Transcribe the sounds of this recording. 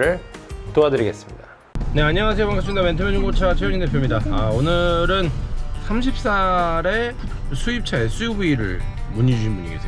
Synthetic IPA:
ɯɭtoadɯɾiɡe̞s͈ɯ̥mɲida | ne̞aɲːaŋas̬ʰejoaŋkas͈ɯnidamentʰɯmjoɲd͡ʑuŋɡot͡ɕʰat͡ɕʰejod͡ʑinde̞pʰjomɲidaaonɯɾɯnsʰamɕʰip̚s͈aɾe̞ | sʰuip̚t͡ɕʰaesʰujibuiɾɯ̰ɭmuɲid͡ʑuɕʰinbuɲḭɡe̞sʰejo

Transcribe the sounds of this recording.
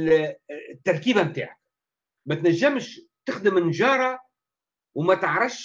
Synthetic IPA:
t̪ːɑɾˤkiːbamt̪a̰ːʕak | mæt̪næʒːɪmʃ | t̪ɪxd̪ɪmɪnʒɑːɾˤɑ | wmæt̪əʕɾˤɑfʃ

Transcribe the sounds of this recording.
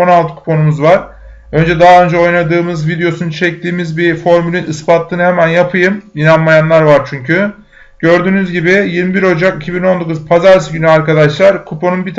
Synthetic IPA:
onalˠt̪ʰɯ̥kʰu̥po̞numuzvaɾ̥ | ø̞nd͡ʒɛd̪aɦaø̞nd͡ʒɛo̞jnad̪ɯːmɯzvid̪ejo̞sunut͡ʃʰɛc̚t̪ʰiːmizbifo̞ɾmylʲinɯspat̪lˠɯːnɯhemænjapʰɯjɯminanmajanlˠaɾvaɾt͡ʃʰyɲcʰy | ɟ̥ø̞ɾd̪yːnyzɟibɪjilʲmibiɾo̞d͡ʒakicʰibino̞nd̪o̞kuzpʰazaɾs̬ɯɟynyaɾkad̪aʃlˠaɾkʰupo̞nunbit̪ʰ

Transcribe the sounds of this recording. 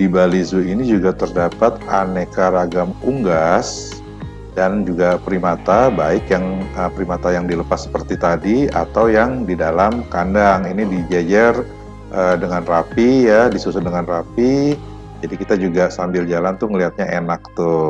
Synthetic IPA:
dibalizuinid͡ʒuɡat̪ərdapat̪anekaɾaɡamuŋɡas | dand͡ʒuɡapɾimat̪abaɪkjaŋəpɾimat̪ajaŋdiləpasːə̥pərt̪it̪adia̰t̪awjaŋdidalamkandaŋinidid͡ʒad͡ʒar | ʔədəŋanrapijadisusʊdəŋanrapi | d͡ʒadikit̪ad͡ʒuɡasambɪld͡ʒalant̪ʊŋəliɦat̪̚ɲaʔenak̚t̪u

